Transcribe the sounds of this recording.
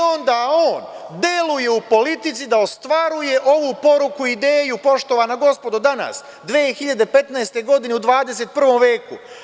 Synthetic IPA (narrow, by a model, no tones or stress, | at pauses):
o̞nd̪ao̞ːnd̪jeluje̞upo̞lit̪it̪sid̪aost̪ʋaɾuje̞ʔo̞ʋupo̞ɾukuid̪e̞ːjupo̞ʃt̪o̞ʋanaɡo̞spo̞d̪od̪ana̰s | d̪ʋeːxiʎad̪e̞pe̞t̪naest̪e̞ɡo̞d̪ine̞ud̪ʋaːd̪e̞se̞t̪̚pr̩ʋo̞mʋe̞ːku